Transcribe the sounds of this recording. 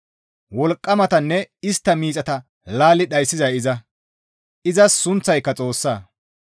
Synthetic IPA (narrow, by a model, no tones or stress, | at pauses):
wɔlkʼːɐmɐt̪ɐnːɛɪst̪ːɐmiːt͡sʼɐt̪ɐ | laːlɪɗɐjsːɪzɐjɪzɐ | ʔɪzɐsːʊnt͡sːɐjkːɐt͡sʼo̞ːsːaː